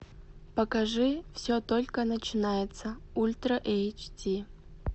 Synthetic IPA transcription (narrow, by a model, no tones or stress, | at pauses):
pɐkɐʐɨfsʲot̪olʲkənɐt͡ʃɪnajɪt̪sɐulʲt̪rɐʔejt͡ʃtʲʰi